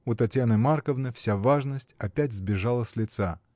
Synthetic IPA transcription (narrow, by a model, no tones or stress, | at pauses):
ut̪ɐtʲjanɨmarkəvnɨfsʲavaʐnəsʲtʲɐpʲætʲzbʲɪʐalˠəsʲlʲɪt̪sa